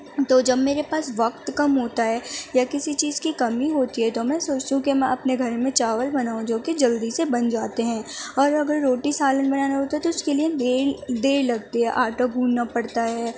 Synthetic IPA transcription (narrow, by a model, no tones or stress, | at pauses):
t̪oːd͡ʒɐbmeːɾepaːsʋɐk̚t̪kɐmɦoːt̪aɦɛːjakɪsit͡ʃiːzkikɐmiɦoːt̪iɦɛt̪omɛ̃ːsoːt͡ʃt̪uɦũkimɛ̃ʔɐpneɡʱɐɾmẽt͡ʃaːʋəlbɐnaːũd͡ʒoːked͡ʒɐld̪isebɐnd͡ʒaːt̪eɦɛ̃ːɔːɾɐɡəɾːoːʈisaːlənbɐnaːnaɦoːt̪aɦɛt̪oʊskelied̪eːd̪eːɾlɐɡt̪eɦɛʔaːʈoɡʱũːnnapɐɽt̪aɦɛː